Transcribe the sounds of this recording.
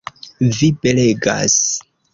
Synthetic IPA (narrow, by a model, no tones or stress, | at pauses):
vibe̞le̞ɡa̰s